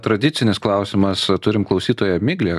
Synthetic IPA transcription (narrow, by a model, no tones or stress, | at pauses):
t̪ɾɐd̪ʲɪt̪sʲɪnʲɪsklˠɐˑʊsʲɪmɐst̪ʊɾʲɪmklˠɐʊsʲiːt̪oːjɛmʲɪɡlʲeː